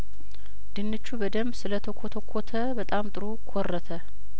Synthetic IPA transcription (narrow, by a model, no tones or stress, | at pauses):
d̪ɨnːɨt͡ʃːubəd̪əmbsɨlət̪ʰəkʰot̪ʰəkʷʰot̪ʰəbət̪ʼamt̪ʼɨɾukʰorːət̪ʰə